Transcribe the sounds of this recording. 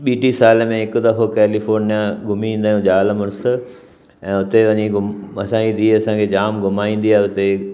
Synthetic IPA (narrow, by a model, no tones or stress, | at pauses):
ɓiːʈisaːləmẽɦɪkʊ̆d̪ɐfʰokɛːlifoːɾnijãɡʱʊmiĩːn̆d̪aːjũd͡ʑaːlmʊɾs | ɛ̃ːʊt̪eʋɐɲiɡʱʊmɐsãid̪iːɐsãkʰed͡ʑaːmɡʱʊmaːĩːn̆d̪iaːɦeʊt̪e